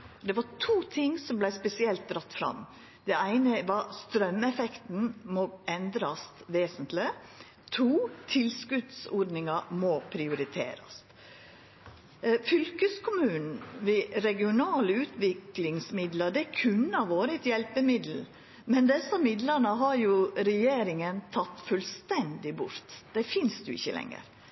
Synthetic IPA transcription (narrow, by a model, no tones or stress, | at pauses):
d̪ɛʋɑtʰuːt̪ʰɪŋsɔmblæɪspɛsɪɛlt̪̚d̪ɾɑt̪ːfɾɑ̰m | d̪̥ɛæɪnəʋɑɾst̪ɾœmɛfɛkt̪n̩mɔɛnd̪ɾɑst̪ʋeːsənt̪lɪ | t̪ʰuːt̪ʰɪlskʉd̪sɔɖ̪nɪŋɑmopʰɾɪʊɾɪt̪ʰḛːɾɑ̰st̪ | fʏlkəskʰʊmʉːnn̩ʋɪɾɛɡɪʊnɑːləʉːt̪ʰʋɪklɪŋsmɪd̪lɑɖ̪ɛækʰʉnːɑʋoːɾɪt̪jɛlpəmɪd̪l̩ | mɛnd̪ɛsːɑmɪd̪ləɾnəɦɑɾjʊɾɛjeːɾɪŋənt̪ʰɑt̪ːfʉlst̪ɛnd̪ɪbʊ̰ɾt̪d̪̥ɛfɪnsd̪jʊɪ̰çːə̰lɛ̰ŋə̰ɾ